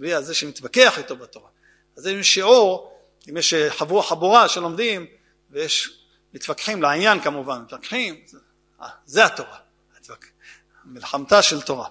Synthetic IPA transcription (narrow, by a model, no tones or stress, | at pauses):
viazeʃemit̪vakeaħit̪o̞bat̪o̞ʁa | azimjeʃiʕuʁ | imjeʃħavuaħabuʁaʃelo̞md̪im | vejeʃ | mit̪vakħimleʕinjankamuvanmit̪vakħim | a̰zehat̪o̞ʁa | t̪vak | amilħamt̪aʃe̞lt̪o̞ʁa